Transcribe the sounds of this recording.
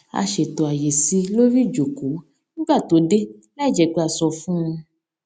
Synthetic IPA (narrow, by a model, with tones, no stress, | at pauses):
a̰˧ʃe˨tɔ˨a˨je˨si˧lo˦ɾi˦˨d͡ʒo˨ku˨˦ | nĩ˦ɡ͡ba˦˨to˨˦de˦ | la˦˨d͡ʒɛ˨˧˨ɡ͡be˧˦a˨sɔ˧fũ˦ũ˧